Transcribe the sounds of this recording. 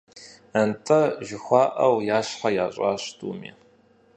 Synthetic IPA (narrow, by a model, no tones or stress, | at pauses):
ɐntʼɐʒɪxʷɑːʔɐwjaːɕħajaːɕʼaːɕtʰʼṵːmḭː